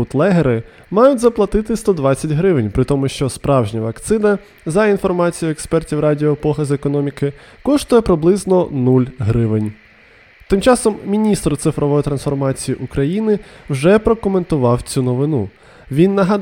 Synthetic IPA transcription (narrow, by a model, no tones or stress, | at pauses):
ʊt̪lˠɛɦeɾɪ | mɑjʊtʲzɐplˠɐt̪ɪt̪ɪst̪ɔd̪ʋɑt͡sʲːɐtʲɦɾɪʋɪnʲpɾɪt̪ɔmʊʃt͡ʃɔspɾɑwʒnʲiʋɐkt̪sɪnɐ | zɐinfɔrmɑt͡sʲijʊɛkspɛrtʲiwrɑdʲiɔpɔɦɐzekɔnɔmʲikɪ | kɔʃt̪ʊjɛpɾɪblˠɪznɔnulʲɦɾɪʋɪnʲ | t̪ɪmt͡ʃɑsɔmːʲinʲist̪ɾʊt̪sɪfɾɔʋɔjit̪ɾɐnsfɔrmɑt͡sʲijiʔʊkɾɐjinɪwʒɛpɾɔkɔment̪ʊʋɑwt͡sʲunɔʋɪnu | ʋʲinːɐɦɐ